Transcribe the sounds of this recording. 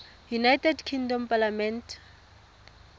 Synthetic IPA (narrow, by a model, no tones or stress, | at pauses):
junajtʰʼɛdkʰiŋdɔmpʼalamɛntʰ